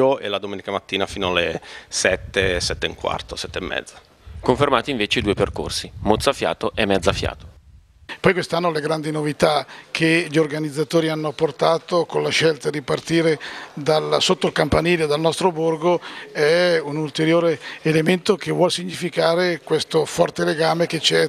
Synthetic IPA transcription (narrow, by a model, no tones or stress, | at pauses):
oḛlad̪omeːnikamat̪ːiːnafiːnoalesɛt̪ːesɛt̪ːeiŋkwa̰rt̪osɛt̪ːeemːɛ̰d̪zːa | koɱfermaːt̪iɱveːt͡ʃeid̪uːeperko̰rsimot̪sːafja̰ːt̪oʔɛmːɛd̪zːafja̰ːt̪o̥ | pɔjkwest̪anːoleɡɾand̪inovit̪akʰeʎiorɡanid̪zːat̪oːɾianːoapːort̪aːt̪okonlaʃɛlt̪ad̪ipart̪iːɾed̪alsot̪ːoilkampaniːlod̪alnɔst̪ɾoborɡoɛunult̪eɾjoːɾeːlement̪okevwɔlsiɲːifikaːɾekwest̪ofɔrt̪eleɡaːmeket͡ʃɛ